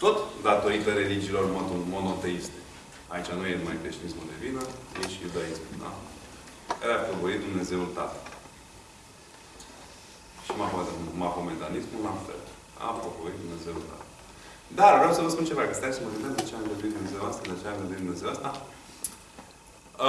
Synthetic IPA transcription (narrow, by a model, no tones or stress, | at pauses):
t̪o̞t̪d̪at̪o̞it̪əɾe̞lid͡ʒiːlo̞rmomo̞no̞t̪e̞ist̪e̞ | ait͡ʃanujemajk̪est̪inismuld̪e̞vinəjeʃijud̪aismṵld̪a̰ | kaɾeaovoit̪̚d̪umne̞ze̞ult̪a̰t̪əl | ʃimafomaɦoment̪anismullafḛl | a̰opovoit̪̚d̪umne̞ze̞ult̪a̰t̪ə | d̪aɾvɾeawsəvəspunt͡ʃevakəst̪asəməɡɨnt̪ezd̪at͡ʃeaŋɡənd̪uit̪d̪umneze̞uast̪ad̪lat͡ʃeaŋɡənd̪ind̪umne̞ze̞wast̪a